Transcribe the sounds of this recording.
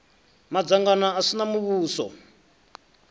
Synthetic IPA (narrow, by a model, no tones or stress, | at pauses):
mad͡zaŋɡanaːsinamuβuːsɔ̰